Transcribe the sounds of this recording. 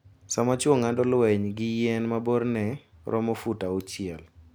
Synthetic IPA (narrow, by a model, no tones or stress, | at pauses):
samat͡ʃwoŋandɔlwɛɲɡɪjɛnmaboɾnɛɾʔɔ̰mɔfutaot͡ʃɪɛl